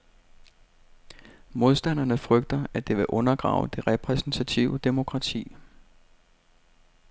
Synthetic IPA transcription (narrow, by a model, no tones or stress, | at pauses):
mo̝ðˠsd̥æn̰ɐnəfʁœɡ̥̚d̥ɐæd̥e̝ʋe̝ʔɔ̽nɐɡ̥ʁɑ̰̈ʊd̥e̝ʁɛpʰʁɛsn̩t͡sʰæt͡sʰiʊəd̥e̝mo̝kʰʁɑ̈t͡sʰḭː